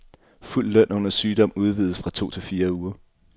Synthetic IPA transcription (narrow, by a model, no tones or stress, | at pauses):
ful̰ːœn̰ɔ̽nɐsyːd̥ɒ̽m̰uð̞ˠʋið̞ˠəsfʁɑ̈t͡sʰo̝̰ːt͡sʰe̝fiːɐuːɐ